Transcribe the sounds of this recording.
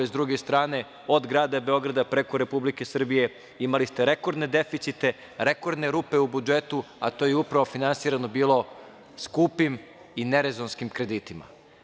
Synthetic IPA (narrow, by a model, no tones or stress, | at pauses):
ezd̪ɾuɡe̞st̪ɾaːne̞ | od̪ɡɾaːd̪abe̞o̞ɡɾad̪apɾe̞ko̞ɾe̞publike̞sr̩bije̞ | imalist̪e̞ɾe̞ko̞ɾd̪ne̞d̪e̞fit̪sit̪e̞ | ɾe̞ko̞ɾd̪ne̞ɾuːpe̞ubud͡ʒe̞t̪u | a̰t̪ojeupɾaʋo̞finansiːɾano̞biːlˠo̞ | skupim | ine̞ɾezonskimkɾe̞d̪it̪ima̰